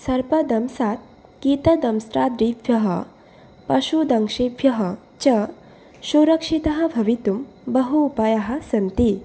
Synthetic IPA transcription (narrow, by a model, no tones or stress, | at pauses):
sɐɾpɐd̪ɐmsaːt̪̚ | kit̪ɐd̪ɐmsʈɾaːd̪ɾib̪ʱjɐɦɐ | pɐʃud̪ɐŋkʂibʱjɐɦɐ | t͡ʃɐ | suɾɐkʂit̪ɐɦɐ̆bʱɐʋit̪um | bɐɦuːpɐjɐɦɐ̆sɐnt̪i